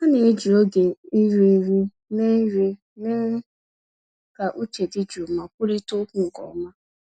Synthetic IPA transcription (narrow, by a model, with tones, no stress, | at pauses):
a˦ne˨˦d͡ʒi˨o˦ɡe˨i˦ɾi˦ɾi˦ | ne˦ɾi˦ | ne˦ | ka˨ʔu˦t͡ʃe˨dɪ˦d͡ʒu˨ma˨kʷu˦ɾi˦tʊ˦ku˦ŋ̩˨kɔ̰˨˦ma˦